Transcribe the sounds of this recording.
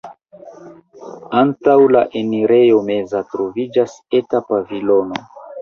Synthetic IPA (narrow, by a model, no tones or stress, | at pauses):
antawla̰ʔeniɾe̞jo̞me̞zatɾovid͡ʒas | etapavilo̞no